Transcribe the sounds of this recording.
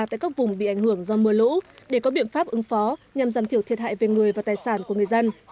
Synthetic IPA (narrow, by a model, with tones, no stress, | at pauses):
t̪a̰ː˧˨jka˦˥k̚vʊ˨˩ŋ͡mɓḭ˧˨ʔa˧˩jŋ̟hɨ˧˩əŋzɔ˧mɨ˧əlṵ˧˥ɗe˧˩kɔ˨˦ɓḭ˧˨ənfaː˦˥p̚ʔɨ˨˦ŋfɔ˨˦ɲa˨˩mzaː˨˩mt̪i˧˩əwt̪i˨˩ət̚ɦa̰ː˧˨jve˨˩ŋɨ˨˩əjvaː˨˩t̪aː˨˩jsaː˧˩nku˧˩əŋɨ˨˩əjzə˧n